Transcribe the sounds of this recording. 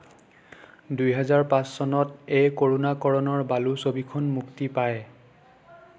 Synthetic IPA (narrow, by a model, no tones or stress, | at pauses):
dujɦɛzaɹpãssɔnɔtejkoɹunakɔɹɔnɔɹbalusobikʰɔnmuktipaj